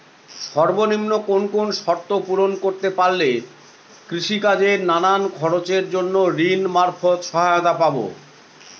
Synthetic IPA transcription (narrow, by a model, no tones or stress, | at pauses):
ʃɔɾbonimnokonkonʃɔɾt̪ːopuɾonkoɾt̪epaɾle | kɾiʃikad͡ʑeɾnanankʰɔɾot͡ɕeɾd͡ʑonːoɾinmaɾfʰot̪ʃɔɦaot̪apabo̰